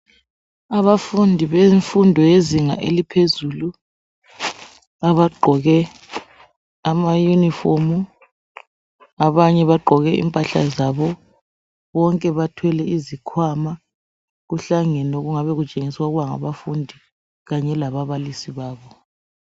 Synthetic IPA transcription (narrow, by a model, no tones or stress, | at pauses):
aβafundʱiβeɱfundʱɔjeziŋa̰ʔelipʰezuːlu | aβaɡ͡ǃʱɔɣɛ | amajunifomu | aβaɲɛβaɡ͡ǃʱɔɣɛʔḭmpʼaɬa̰zaβɔ | βɔŋkʼɛβatʰwɛlɛizikʰwama | ɣuɬaŋɛnoɣuŋaβɛɣut͡ʃʼeŋiswaɣuβaŋa̰βafundʱi | ɣaɲɛlaβaβalisiβaːβɔ